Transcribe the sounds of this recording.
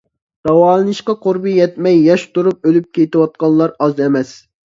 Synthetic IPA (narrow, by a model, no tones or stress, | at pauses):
ɾɑwɑːlˠɨnɨʃqɑqʰoɾbɨjɛt̪mɛjːɑʃt̪uɾup̚ølyp̚kʲejt̪ɪwɑt̪̚qɑnlˠɑɾɑzɛmɛs